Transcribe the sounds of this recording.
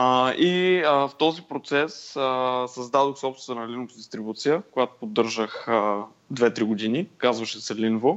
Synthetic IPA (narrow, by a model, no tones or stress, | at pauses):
ʔiəft̪ɔzipɾot̪sɛssɐzd̪ad̪oxsɛɔpst̪vənɐlinovd̪ist̪ɾibut̪sijəkojat̪o̥pod̪ːɤɾʒəxə | d̪vɛt̪ɾiɡod̪inikazvəʃɛsɛlinvo